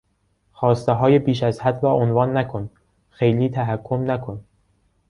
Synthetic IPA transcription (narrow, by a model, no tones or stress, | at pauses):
xɒːst̪eɦɒːjebiːʃæzhæd̪ɾɒːʔonvɒːnːækʰon | xejliːt̪ʰæɦækʰːomnækʰon